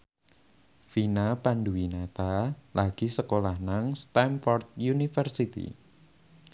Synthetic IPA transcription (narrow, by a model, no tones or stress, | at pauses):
finapanduwinat̪alʔaɡ̥isəkolahnaŋst̪ɛmfɔrt̪̚junifərsit̪ḭ